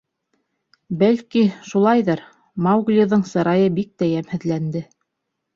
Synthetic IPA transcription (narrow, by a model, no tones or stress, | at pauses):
bælkiʃulˠɑjðɤɾ | mɑwɡlʲoðɤɴsɤ̆ɾɑjɤbik̚t̪æjæmhɘ̆ðlænd̪ɘ